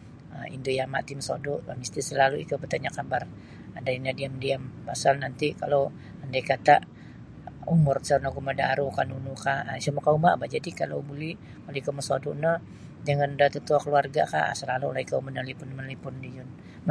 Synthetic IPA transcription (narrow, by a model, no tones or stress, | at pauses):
əḭndojama̰ʔt̪iməso̰duʔmist̪isəlaluḭkəbət̪aɲakabar | adainadiamdiampasalnant̪ikalow | əndakat̪aʔ | umʊrsanaɡumada̰ɾukanunukasamakauma̰ʔbad͡ʒadikalo̰wbuli | kaloikəməsoduʔnə | d͡ʒaŋandat̪ət̪uakəluarɡaka̰səlalulaikamənalipʊnmənlipʊndid͡ʒun